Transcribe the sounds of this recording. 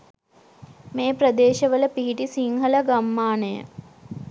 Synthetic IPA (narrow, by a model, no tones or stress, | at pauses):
meːpɾəd̪eːʃəʋələpiɦiʈisiŋɦələɡamːaːnəjə̰